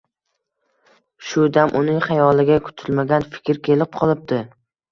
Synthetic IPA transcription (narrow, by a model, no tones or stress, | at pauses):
ʃʊd̪amʔʊnɪŋχajɒlˠɪɡʲakʰʊ̥t̪ʰɪlmaɡʲanfɪ̥kʲɾkʲʰe̞lɪp̚qʰɒlˠɪp̚d̪ɪ